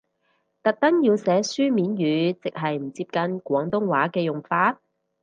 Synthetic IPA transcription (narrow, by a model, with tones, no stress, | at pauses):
t̪ɐ˨k̚t̪ɐ˥ŋjiː˧wsɛː˨˥syː˥miː˨˥njyː˨˥t͡sɪ˨k̚ɦɐ˨jm̩˨˩t͡siː˧p̚kɐ˧nkʷɔː˨˥ŋt̪ʊ˥ŋwaː˨˥kɛː˧jʊ˨ŋfaː˧t̚